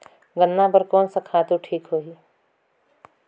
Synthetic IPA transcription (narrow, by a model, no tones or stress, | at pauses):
ɡənːapəɾkɔːnsakʰaːt̪uʈʰiːkɦoːi